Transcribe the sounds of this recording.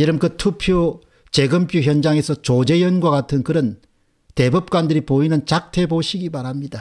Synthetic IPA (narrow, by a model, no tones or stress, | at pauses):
jiɾɯmkɯtʰupʰjo | t͡ɕe̞ɡɯmpʰjuçjʌnd͡ʑaŋe̞sʰʌt͡ɕod͡ʑe̞jʌnɡwaɡatʰɯnkɯɾʌn | te̞bup̚k͈wandɯɾipoinɯnt͡ɕak̚tʰe̞boɕʰiɡipaɾamɲida